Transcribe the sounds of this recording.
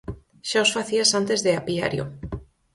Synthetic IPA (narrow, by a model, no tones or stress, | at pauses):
ʃaosfaθiasant̪ezðeapia̰ɾjo̰